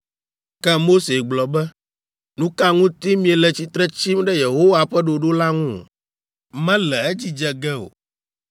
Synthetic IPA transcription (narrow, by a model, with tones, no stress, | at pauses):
kɛ˦mo˦se˨ɡ͡blɔ˨bɛ˦ | nũ˦ka˦ŋũ˦t̪i˦mĩ˨ɛ˨lɛ˨t͡ɕi˦t̪ɾɛ˦t͡ɕi˦mɖɛ˦je˨ɦo˦wa˨ɸɛ˦ɖo˨ɖo˦la˦ŋṵ̃˦˨ | mɛ̃˦lɛ˨ɛ˦d͡ʑi˦d͡ʒɛ˨ɡɛ˦o̰˨